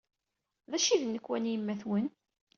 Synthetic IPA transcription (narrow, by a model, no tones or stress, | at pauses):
ðæʃiðnːəkːwænjəmːæθwən